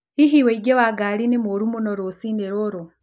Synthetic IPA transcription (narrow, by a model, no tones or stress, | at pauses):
iɦiweiɡewaɡaːlinimoɾumunoɾosineɾoɾo